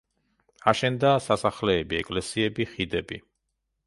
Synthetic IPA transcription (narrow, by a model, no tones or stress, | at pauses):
aʃɛnd̪asasaχlɛːbiɛkʼlɛsiɛbiχid̪ɛbi